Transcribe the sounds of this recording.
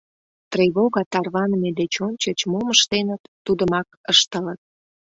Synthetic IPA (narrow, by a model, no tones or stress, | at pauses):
t̪reβoɣɑt̪ɑrβɑnəmed̪et͡ɕonʲt͡ɕət͡ɕmoməʃt̪enət̪ːud̪əmɑkəʃt̪ələt̪̚